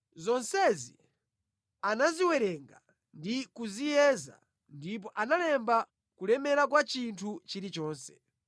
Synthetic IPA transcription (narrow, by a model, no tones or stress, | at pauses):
zɔnsɛzḭ | anaziwɛɾɛŋɡa | ndikuzijɛːza̰ | ndip̬ɔʔanalɛmba | kulɛmɛɾak̬wat͡ʃintʰut͡ʃiɾit͡ʃɔːnsɛ̥